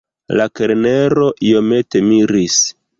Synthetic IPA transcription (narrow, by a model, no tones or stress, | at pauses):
lakeɾneɾo̞ʔio̞me̞te̞miɾis